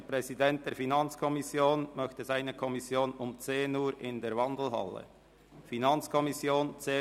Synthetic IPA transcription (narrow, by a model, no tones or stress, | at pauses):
əpʁ̥ɛzidɛnt̚d̥eːɐɾfinɑnt͡skʰɔmɪsjoːnmœçtəzaɪnəkʰɔmɪsjoːnʊmt͡seːnuːɾʔɪndeːɐɾvɑndl̩ɦɑ̰lə̰ | finɑnt͡skʰɔmɪsjoːnt͡seː